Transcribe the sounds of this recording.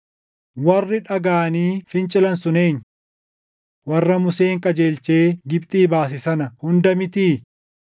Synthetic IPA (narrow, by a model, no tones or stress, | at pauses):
wɐrːɪᶑɐɡaːniːfɪnt͡ʃʼɪlɐnsʊneːɲː | wɐrːɐmʊseːŋkʼɐd͡ʒe̞ːlt͡ʃe̞ːɡɪbpt̪ʼiːbaːs̬ɪsɐnɐhʊnd̪ɐmɪt̪iː